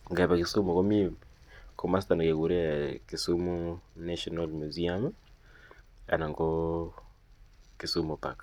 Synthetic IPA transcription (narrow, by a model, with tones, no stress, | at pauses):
ŋɡe˨βa˨ki˨su˦mu˨ko˦mi˦mko˨ma˦sta˨na˨ke˨ɣu˨ɾe˦ki˨su˦mu˦na˦ʃɔ˦nalmu˨zi˦a˦m | a̰˨na˨ŋɡo˦ | ki˨su˦mu˨pa̰˨ka